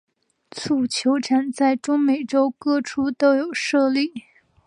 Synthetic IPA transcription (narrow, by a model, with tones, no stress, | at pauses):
t͡sʰu˥˩t͡ɕʰjo˧˥ʊʈ͡ʂʰa˨˩nt͡sa˥˩ɪʈ͡ʂʊ˥ŋme˨˩ɪʈ͡ʂo˥ʊkɤ˥˩ʈ͡ʂʰu˥t̪o˥ʊjo˨˩ʊʂɤ˥˧li˥˩